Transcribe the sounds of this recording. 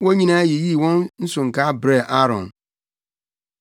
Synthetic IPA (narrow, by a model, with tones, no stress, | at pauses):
wɔ̃˦ɲĩ˦nã˦ji˨ji˦˨wɔ̃˦nn̩˦sʊ̃˨ŋ̩˨ka˦bɾe˦˨ʔa˦ɾɔ̰̃˨n